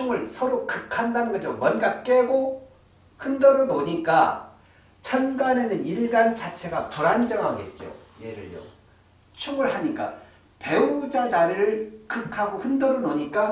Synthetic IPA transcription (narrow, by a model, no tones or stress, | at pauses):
t͡ɕʰuŋɯɭsʰʌɾokɯkʰandanɯnɡʌd͡ʑomwʌnɡak͈eɡo | hɯndʌɾonoɲik͈a | t͡ɕʰʌnɡane̞nɯniɭɡant͡ɕat͡ɕʰeɡatoɾand͡ʑʌŋɦaɡe̞̰t̚t͡ɕ͈o̰ | je̞ɾɯ̰ɭjo̰ | t͡ɕʰuŋɯɭhaɲik͈a̰ | pe̞ud͡ʑad͡ʑaɾiɾɯɭkɯkʰaɡohɯndʌɾonoɲik͈a